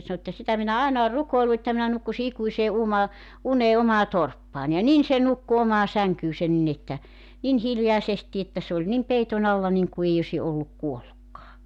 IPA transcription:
sɑnŏ ĕtːæ sitæ minæ ɑˑenɑ or rukoilu etːæ minæ nukːusi ikuiseː umɑ uneː omɑː torpːɑːnʲ jɑ nin se nukːu omɑː sæŋkyːsen nin etːæ nin hiljɑesesti etːæ se olʲ nim peiton ɑlːɑ niŋku eˑi osʲi olːuk kuolːukːɑː

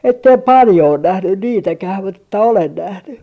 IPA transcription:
etːem pɑljo on næhnyn niːtækæh mut etːæ olen næhny

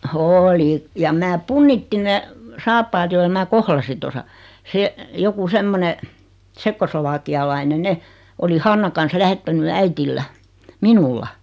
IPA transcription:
oːli jɑm mæː punːitːin̆ ne sɑːpːɑːt joilɑ mæː kohlɑsin̞ tosɑ se joku semːone tsekːosloʋɑːkiɑlɑinen ne oli hɑnːɑ kɑn̞s læhetːæny æitilːæ minulːɑ

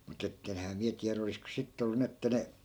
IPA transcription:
mut etːenhæː miæ tiæræ olisko sitːĕ olːu ni etːæ ne

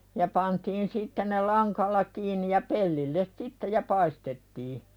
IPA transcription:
jɑ pɑntiːn sitːe ne lɑŋkɑlːɑ kiːnˑi jɑ pelːilːes sitːe jɑ pɑistetːiː

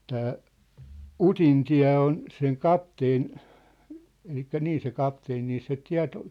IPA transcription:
tæː utintiæ̝ on seŋ kɑpteːn elikːæ niː se kɑpteːn niː se tiæ̝t

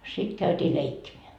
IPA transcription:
sit kæytʲiː leikːimeæ

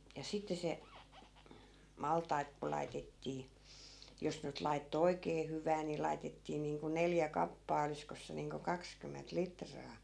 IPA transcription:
jɑ sitːe se mɑltɑi̯t ku lɑitetːiː jos nyt lɑitːo oikeː hyʋæː ni lɑi̯tetːiː niːŋku neljæ kɑpːɑː oliskos se niːŋko kɑkskymːent litrɑː

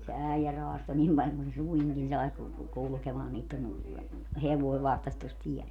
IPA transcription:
se æijæ roɑsto nim pɑlʲ kun se suiŋkin sɑi ku kulŭkemɑː niːtːən heʋoi ʋɑhtɑs tos tiɛl

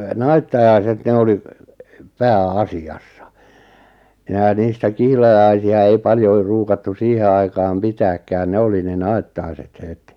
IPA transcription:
nɑitːɑjɑiset ne oli pæːɑsiɑsːɑ̥ minæ niːstæ kihlɑjɑisiɑ ei pɑljoi ruːkɑtːu siːhe ɑikɑːm pitæːkːæːn ne oli ne nɑi̞tːɑi̞set het

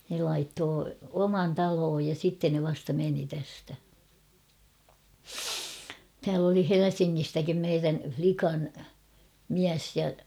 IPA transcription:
ne lɑitːoː omɑn tɑloːj jɑ sitːen ne ʋɑstɑ meni tæstæ tæːl oli helesiŋːistækim meiræn̞ʲ flikɑn miæs jɑ

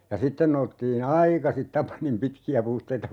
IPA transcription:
jɑ sitːen noustiːn ɑikɑsit tɑpɑnim pitkiæ puhteitɑ

